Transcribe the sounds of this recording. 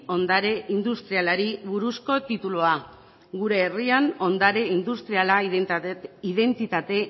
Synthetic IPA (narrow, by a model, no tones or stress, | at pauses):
o̞nd̪aɾe̞ind̪ust̪ɾialaɾiβuɾusko̞t̪it̪uloa | ɡuɾe̞ːriano̞nd̪aɾe̞ind̪ust̪ɾiala | iðe̞nt̪it̪at̪e̞